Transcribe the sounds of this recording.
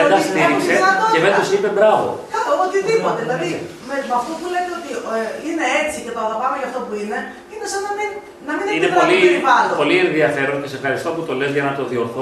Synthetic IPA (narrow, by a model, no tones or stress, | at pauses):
ɐd̪ɐssiɾiseɐt̪oevent̪osipebɾɐvo̞̰kɐoot̪iðipo̞t̪eðilɐðimeɾit̪oɐft̪opule̞t̪eot̪iine̞et͡sicet̪oɐlɐvɐmeʝɐft̪o̞puine̞ | ine̞sɐnɐmin | nɐmineineoɐliiipɐldopo̞lienðiɐfe̞ɾoncesefxɐɾist̪o̞put̪o̞lezʝɐnɐt̪o̞ðio̞ɾθo